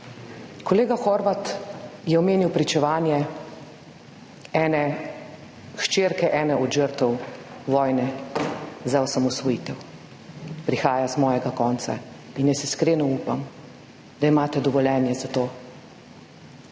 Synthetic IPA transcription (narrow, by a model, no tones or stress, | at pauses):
kɔleːɡaxɔɾʋat̪jɛɔmeːniwpɾit͡ʃɛʋaːnjɛ | ɛːnɛ | ʃt͡ʃeːɾkɛʔɛːnɛʔɔd̪ʒəɾt̪ɔwʋɔːjnɛ | zaɔsamɔsʋɔjiːt̪ɛw | pɾixaːjazmɔːjɛɡakɔːnt̪sa̰ | injɛsɛskɾeːnɔuːpam | d̪aimaːt̪ɛd̪ɔʋɔlʲɛːnjɛzat̪oː